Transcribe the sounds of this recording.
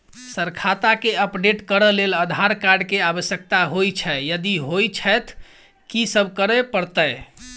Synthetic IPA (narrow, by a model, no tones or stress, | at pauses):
səɾkʰat̪akeəpɖeʈkəɾəleləd̪ʱaɾkaɾɖkeabəsjək̚t̪aɦojt͡ʃʰɛjəd̪iɦojt͡ʃʰɛt̪ʰ | kisəbʱkəɾɛpəɾt̪əj